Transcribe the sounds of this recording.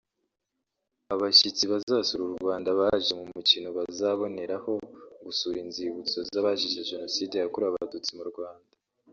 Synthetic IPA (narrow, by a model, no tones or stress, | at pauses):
aβaʃit͡siβazasuɾuɾɡwaːndaβaʒe̞mumucinoβazaβo̞ne̞ɾaho̞ɡusuːɾinziβut͡so̞zaβaʃiʃeʒe̞no̞siːdejakuɾaβadut͡simuɾɡwaːnda